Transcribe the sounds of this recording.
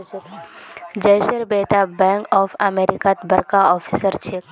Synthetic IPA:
d͡ʒəjsəɾbeːʈabɛ̃ŋkɔːfʰəmeːɾɪkat̪bʱəɾkaɔːpʰisəɾt͡ʃʰek

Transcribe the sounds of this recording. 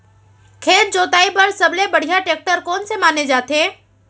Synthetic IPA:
kʰeːɾd͡ʒoːt̪aːibɐɾsɐblebɐɽ̤ijaʈeːk̚ʈəɾkɔːnsemaːned͡ʒaːt̪eː

